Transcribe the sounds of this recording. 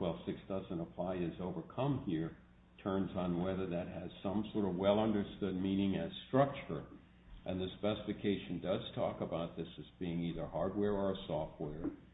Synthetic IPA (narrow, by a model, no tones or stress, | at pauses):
waɪlˠsɪksd̥ʌzɨ̃nəpʰl̥aɪɨzoʊvə˞kʰʌ̃mhiɹ | tʰɜ̃˞nzn̩wɛðə˞ðɨt̚hɨz̥sʌ̃msɔɹɾʌvwɛlˠʌ̃ndə˞stʊd̚mĩnɪ̃ŋɨz̥stɹ̥ʌk̚t͡ʃə˞ | ʔɨ̃nðɨspɛsəfɨkʰeɪʃɨ̃n̩dʌz̥tʰɔ̰kəbaʊt̪̚ðɪsɨzbiɪ̃ŋiðə˞hɑɹd̚wɛɹə˞əsɔft̚wɛɹ